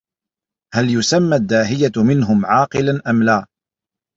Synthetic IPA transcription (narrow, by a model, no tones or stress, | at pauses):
haljʊsamːad̪ːaːɦɪjamɪnɦʊmʕɑːqɨlanʔamlaː